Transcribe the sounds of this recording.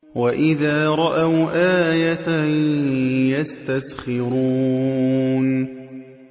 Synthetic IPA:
waʔɪðaːɾˤɑʔawʔaːjat̪ | jast̪asxɪɾuː | n

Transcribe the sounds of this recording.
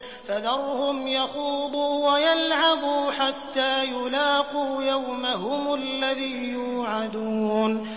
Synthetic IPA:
faðɑrˤhʊmjɑxuːd̪ˤuːwajalʕabuːħat̪ːaːjʊlaːquːjawmaɦʊmʊlːaðiːjuːʕad̪uːn

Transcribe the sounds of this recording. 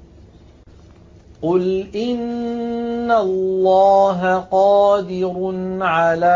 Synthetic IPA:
qʊlʔɪnː | alːɑːɦaqɑːd̪ɪɾnʕalaː

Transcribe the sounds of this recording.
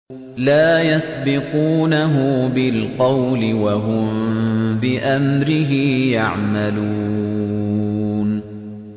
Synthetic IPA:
laːjasbɪquːnaɦʊbɪlqɑwlɪwaɦʊmbɪʔamɾɪɦɪjaʕmalu | n

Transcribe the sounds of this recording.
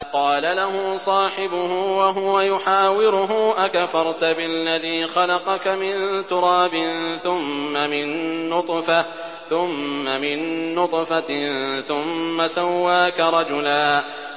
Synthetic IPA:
qɑːlalaɦʊːsˤɑːħɪbʊhʊwaɦʊwajʊħaːwɪɾʊɦʊʔakafɑɾˤt̪ʊbɪlːaðiːxɑlɑqɑkamɪnt̪ʊɾˤɑːbɪnθʊmːamɪnːʊt̪ˤfa | θʊmːamɪnːʊt̪ˤfaθʊmːasawːaːkaɾˤɑd͡ʒʊlaː

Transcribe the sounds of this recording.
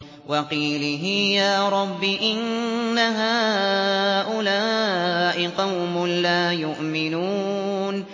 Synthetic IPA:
wɑqiːlɦɪjaːɾˤɑbːɪʔɪnːaɦaː | ʔʊlaːʔɪqɑwmʊlaːjʊʔmɪnuː | n

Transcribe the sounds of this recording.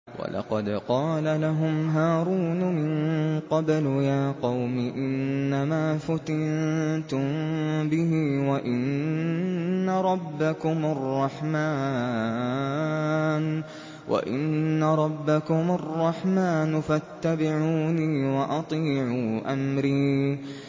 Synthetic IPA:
wa̰lʔɑ̰qɑd̪qɑːlalaɦʊmɦaːɾuːnʊmɪnqɑbljaːqɑwmɪʔɪnːamaːfʊt̪ɪnt̪ʊmbɪɦiːwaʔɪn | aɾˤɑbːakʊmarˤːɑħmaː | n | wʔa̰ʔɪ̰nːaɾˤɑbːakʊmʊrˤːɑħmaːnʊfat̪ːabɪʕuːniːwaʔɑt̪ˤiːʕuːʔamɾiː

